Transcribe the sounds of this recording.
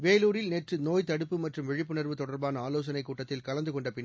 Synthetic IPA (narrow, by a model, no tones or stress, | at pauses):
ʋeːluːɾɪlneːʈrɯnoːjt̪ɐɽɯpːɯmɐʈrɯmʋɛɻɪpːɯnɐɾʋɯt̪ɔɽɐɾbaːnɐaːloːsɐnɐɪkːuːʈːɐt̪ːɪlkɐlɐnd̪ɯkɔɳɖɐpɪnː